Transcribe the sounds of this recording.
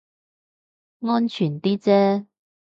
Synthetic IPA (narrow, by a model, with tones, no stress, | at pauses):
ŋɔː˥nt͡ʃʰyː˨˩nt̪iː˥t͡sɛː˦˥